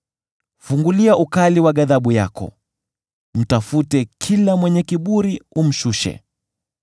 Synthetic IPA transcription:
fuŋɡuliaʔukaliwaɠaðaɓuja̰kɔ̰ | m̩tafutɛkʰilamwɛɲɛkiɓuɾium̩ʃuʃɛ̰

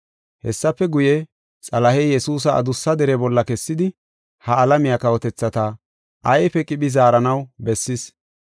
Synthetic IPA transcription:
hɛsːɐpːɛɡʊjɛ | t͡sʼɐlɐhɛjɛsuːs̬ɐɐ̰d̪ʊsːɐd̪ɛɾɛbɔlːɐkɛsːɪd̪ɪ | hɐːlɐmɪjakɐwɔt̪ɛt͡sːɐt̪ɐ | ʔɐjfɛkʼɪɓɪzaːɾɐnɐwbɛsːɪs

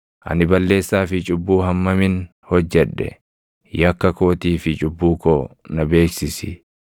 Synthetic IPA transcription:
ʔɐ̰nɪbɐlːe̞ːsːaːfɪt͡ʃʼʊbːuːɦɐmːɐmɪn | hɔd͡ʒːɛᶑːɛ̰ | jɐkːɐkoːt̪iːfɪt͡ʃʼʊbːuːkoːnɐbe̞ːksɪsɪ

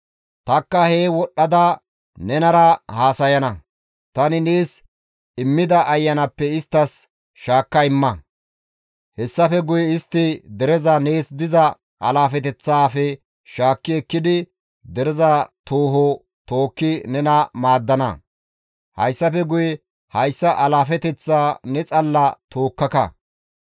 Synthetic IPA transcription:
t̪ɐkːɐhe̞ːwɔɗːɐd̪ɐ | nɛnɐɾɐhaːsɐjɐnɐ | t̪ɐnɪneːs | ɪmːɪd̪ɐʔɐjːɐnɐpːɛɪst̪ːɐs | ʃaːkːɐɪmːɐ | hɛsːɐfɛɡʊjɛɪst̪ːɪd̪ɛɾɛzɐneːsd̪ɪzɐ | ʔɐlaːfɛt̪ɛt͡sːaːfɛ | ʃaːkːɪɛkːɪd̪ɪ | d̪ɛɾɛzɐt̪oːɦɔ | t̪o̞ːkːɪnɛnɐmaːd̪ːɐnɐ̰ | hɐjsːɐfɛɡʊjɛ | hɐjsːɐʔɐlaːfɛt̪ɛt͡sːaːnɛt͡sʼɐlːɐt̪oːkːɐkɐ̰

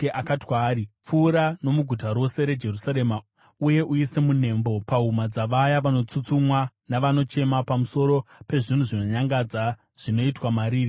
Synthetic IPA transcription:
ʔakatwaːɾip͡fuːɾano̞muɡʱutaɾo̞se̞ɾe̞d͡ʒe̞rusaɾe̞ma | uje̞ʔuise̞mun̤e̞ːmbo̞paɦumad͡zaʋajaʋano̞t͡sut͡sumwa | naʋano̞t͡ʃe̞mapamuso̞ɾo̞pe̞ʐin̤uʐino̞ɲaŋɡad͡za | ʐ̥ino̞itwamaɾiːri

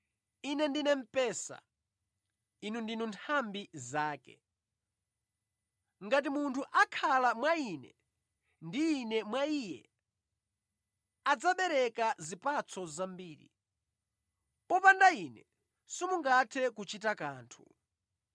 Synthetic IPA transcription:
inɛndinɛm̩pɛːsa̰ | inundinuntʰambizaːkɛ̰ | ŋɡat̬imuntʰuʔakʰalamwainɛ | ndiːnɛmwaijɛ | ad͡zaɓɛɾɛkazipat͡sʰɔzambiːɾḭ | pɔpandainɛ | simuŋɡatʰɛkut͡ʃitakaːntʰu̥

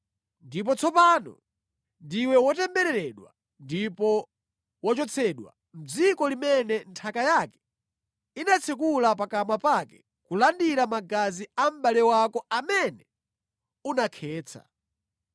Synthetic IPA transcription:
ndip̬ɔt͡sʰɔpaːnɔ̰ | ndiwɛwɔtɛmbɛɾɛɾɛɗwa | ndipɔ | wɔt͡ʃɔt͡sʰɛɗwa̰ | m̩d͡zikɔlimɛnɛntʰakajakɛ̥ | inat͡sʰɛkulapakamapakɛ̥ | kulandiɾamaɡaziam̩balɛwakɔamɛnɛ | unakʰɛːt͡sʰa̰

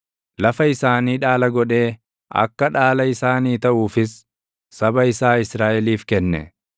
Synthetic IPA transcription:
lɐfɐɪsaːniːᶑaːlɐɡɔᶑe̞ː | ʔɐ̰kːɐᶑaːlɐɪsaːniːt̪ɐʔuːfɪsː | ɐbɐɪsaːɪsɾaːʔɛliːfkɛnːɛ̰

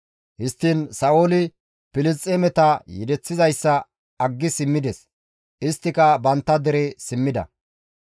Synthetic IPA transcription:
hɪst̪ːinsɐʔoːlɪ | pɪlɪst͡sʼːemɛt̪ɐjɛ̰d̪ɛt͡sːɪzɐjsːɐ | ɐɡːɪsɪmːɪd̪ɛs | ʔɪst̪ːɪkɐbɐnt̪ːɐd̪ɛɾɛsɪmːɪd̪ɐ̰

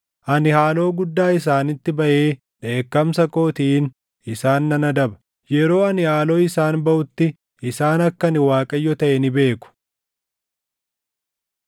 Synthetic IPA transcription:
ʔɐnɪhaːlo̞ːɡʊd̪ːaːɪs̬aːnɪt̪ːɪbɐʔeː | ᶑe̞ːkːɐmsɐko̞ːt̪iːn | ɪsaːnːɐnɐd̪ɐbɐ̥ | jɛɾo̞ːɐnɪhaːlo̞ːɪsaːnbɐʔʊt̪ːɪ | ɪsaːnɐkːɐnɪwaːkʼɐjːɔt̪ɐʔɛnɪbe̞ːkʊ̥

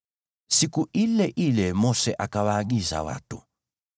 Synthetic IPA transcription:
sikuʔilɛʔilɛmɔsɛʔakawaɡiza̰wa̰tu

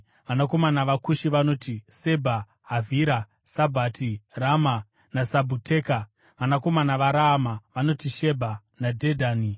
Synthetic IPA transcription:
ʋanako̞manaʋakuʃiʋano̞ːtise̞bʱa | ɦːvʱiɾa | sabʱaːtirama | nasabʱutʰe̞ːka | ʋanako̞manaʋaɾaːmaʋano̞tiʃe̞bʱa | nadʱedʱaːni

